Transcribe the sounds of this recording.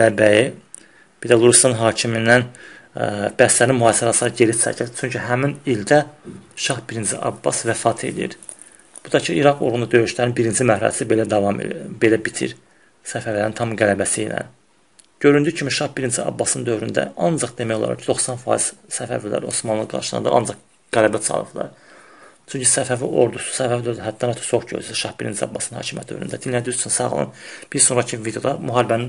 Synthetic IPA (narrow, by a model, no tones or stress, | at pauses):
ælæbæji | b̥id̪ælˠuɾust̪ɑnɦɑːcʰiminːæn | b̥æslæɾinmuɑːlisɑɾɑslˠɑɾɯɟe̞ɾisʰæ̰cʰili̥t͡ʃʰyɲcʰyɦæminild̪æʃɑhbiɾind͡ʒiʔɑ̰bːɑ̰svæfɑːt̪ʰe̞̰lḭjḭɾ | b̥ud̪ɑcʰɯiɾɑkoɾund̪ɑd̪ø̞jyʃlæɾinbiɾind͡ʒimæhɾæ̰sibe̞læd̪ɑvɑm̰be̞læbit̪ʰḭɾ | sæfæɾlæɾint̪ʰɑmɡælæbæsijlæ̰n | ɟ̥ø̞ɾynd̪ycʰimiʃɑhbiɾind͡ʒʰiɑ̰bːɑsɯnd̪ø̞vɾynd̪æ̰ɑnd͡ʒɑqd̪e̞mæjo̞lˠɑ̰ɾɑ̰cʰid̪o̞xsɑnfɑ̰ːiz̥sæfæ̰vilæ̰ɾo̞̰smɑnlˠɯɡɑ̰ɾʃɑ̰nd̪ɯ̰ʔɑ̰nd͡ʒɑq | ɡ̥ælæbæt͡sʰɑ̰lˠɯ̰d̪̥lˠɑ̰ɾ | t͡ʃʰyɲcʰysæfæviʔo̞̰ɾd̪usu̥sævævd̪løɾæɦæd̪ːɑnɑt̪ʰɑ̥soχɟø̰syʃɑhbiɾint͡ʃʰiɑ̰bːɑ̰snnhɑ̰ːcʰimjæt̪d̪ø̰vɾynd̪æd̪inlæd̪iiyt͡ʃʰynsɑ̰ʁlˠɯ̰nb̥iɾso̞nɾɑcʰivid̪ejod̪ɑmyɦɑːlibænin